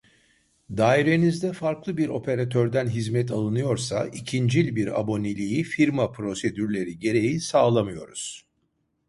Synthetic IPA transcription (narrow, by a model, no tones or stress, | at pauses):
d̪aːiɾe̞nizd̪ɛfaɾklˠɯbiɾo̞pʰe̞ɾat̪ʰøɾd̪ænɦizmɛt̪ʰalˠɯnɯjo̞ɾsa̰icʰind͡ʒilʲbiɾa̰bo̞nelʲijifiɾmapʰɾo̞se̞d̪yɾlʲe̞ɾiɟe̞ɾe̞jisaːlˠamɯjo̞̰ɾuz̥